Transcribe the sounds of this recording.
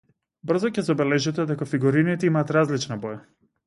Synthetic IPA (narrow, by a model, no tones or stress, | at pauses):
br̩zɔcɛzɔbɛlɛʒɛt̪ɛd̪ɛkafiɡuɾinit̪ɛimaːt̪ɾazlit͡ʃnabɔja